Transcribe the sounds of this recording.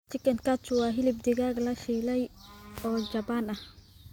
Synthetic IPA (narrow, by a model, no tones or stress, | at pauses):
t͡ʃɪkɐnkʰat͡ʃʊwɑːɦɪlɪb̚d̪ɪɣaːɡlɐfiːlɛjɔːd͡ʒɐbanɐh